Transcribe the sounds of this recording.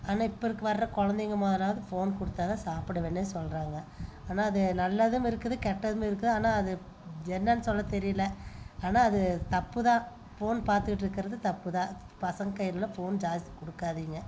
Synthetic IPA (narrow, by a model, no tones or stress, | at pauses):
aːnaːɪpːoɔɪɾɯkːɯʋɐɾɾɐkɔɻɐnd̪ɪŋɡɐmaːðɐlaːʋɐðɯfoːnkʊɽɯt̪ːaːðɐsaːpɯɽɐʋenːɯnsɔlɾaːŋɡɐaːnaːɐðɯnɐlːɐðɯmɪɾɯkːɐðɯkɛʈːɐðɯmɪɾɯk̬ːɯðɯaːnaːɐðɯ | ɛnːɐnːɯsɔlːɐt̪ɛɾɪjɪlɐaːnaːɐðɯt̪ɐpːɯðãː | foːnpaːɾt̪ɯkɪʈːɪɾɯkːɪɾɐðɯt̪ɐpːɯðãː | pɐsɐŋɡkɐjlɯlɐfoːnd͡ʒaːd͡ʒ̪kɔɽɯkːaːðiːŋɡɐ